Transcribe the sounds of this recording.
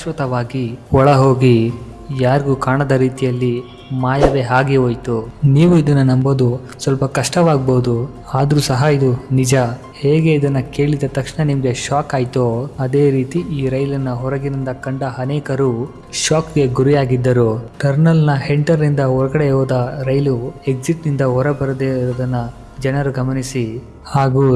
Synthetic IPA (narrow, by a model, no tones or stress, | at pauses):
ʃʋɐt̪ɐʋaːɡiɔɭɐɦo̞ːɡi | jaːɾiɡuːkaːɳɐd̪ɐɾiːt̪ijɐlːi | maːjɐʋeːɦaːɡiɦoːjt̪uniːʋuid̪ɐnːunɐmbod̪u | sʋɐlpɐkɐʂʈɐʋaːɡboːd̪u | aːd̪ɐɾuːsɐɦɐid̪unid͡ʒɐ | heːɡe̞id̪ɐnːɐke̞ːɭid̪ɐt̪ɐkʂɳɐnimɡeʃaːkaːjt̪oɐd̪e̞ːɾiːt̪iʔiːɾɐjlɐnːɐɦɔɾɐɡiɾind̪ɐkɐɳɖɐɐnɛːkɐɾu | ʃaːkɡe̞ɡuɾijaːɡid̪ːɐɾuʈɐɾnɐlnɐheɳʈɐɾːind̪ɐɔɾɐɡɐɽeɔːd̪ɐɾɐjlue̞k̚siʈnind̪ɐɦɔɾɐbɐɾɐd̪eːɾɐd̪ɐnːɐ | d͡ʒɛnɐɾuɡɐmɐnisi | haːɡu